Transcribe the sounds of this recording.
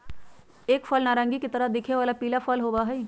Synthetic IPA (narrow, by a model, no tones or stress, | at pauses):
eːkfʰəlnaːɾãːŋɡiket̪ɐɾəɦd̪ɪkʰneʋaːlapiːlafʰəlɦoːbaɦɛi